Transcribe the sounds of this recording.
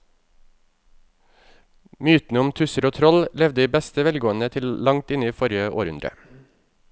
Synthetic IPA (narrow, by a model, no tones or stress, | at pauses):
myːt̪n̩əʊmt̪ʰʉsəɾoːt̪ʰɾɔllɛʋd̪əd̪iːbɛst̪əʋɛlɡoːənət̪ʰɪllɑŋt̪ɪnəiːfɔɾɪəʔo̰ːɾʉ̰nd̪ɾə̰